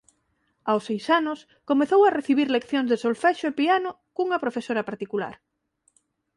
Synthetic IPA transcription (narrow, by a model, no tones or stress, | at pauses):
awsejsanʊs | komeθowɐreθiβ̞iɾlekθjõŋzðesolfɛʃʊepianʊ | kuŋɐpɾofesoɾɐpaɾt̪ikula̰ɾ